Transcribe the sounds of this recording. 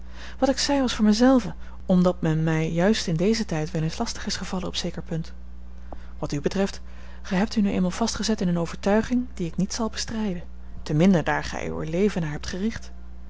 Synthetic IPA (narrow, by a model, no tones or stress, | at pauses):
ʋɑtɪksɛjʋɑsfʊːɹmɛzɛlˠvə | ɔmdɑt̚mɛnmɛjːœɥstɪndejzətɛjtʋɪlɪnslɑstəχɪsχəv̥ɑlənɔpsejkəɹpɵnt | ʋɑtybətrɛft | χɛjɦɛp̚tynyʔḛjmalˠv̥ɑstχəzɛtɪnənowvəɹtœɥχɪŋdiɪknitsɑlˠbəstrɛjdən | təmɪndəda̰ːɹχɛ̰jy̰ə̰lejvənaːɹɦɛp̚tχərɪχt